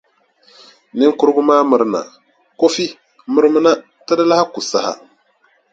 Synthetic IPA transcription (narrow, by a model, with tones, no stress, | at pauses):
nɨ˦ŋ˦kʊ˦ɾɨ˦ɡʊ˦maː˦mɨ˨ɾɨ˦na̰˨ | ko˦fi˦ | mɨ˦ɾɨ˦mɨ˦na˦ | tɨ˦dɨ˦la˦ha˦ku˨sa˨ha̰˨